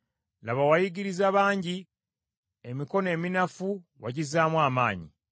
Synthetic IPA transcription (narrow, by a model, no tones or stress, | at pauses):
laβawajiɟiɾizaβaːɲɟi | emiko̞ne̞ːminafuwaɟizaːmwaːmaːɲḭ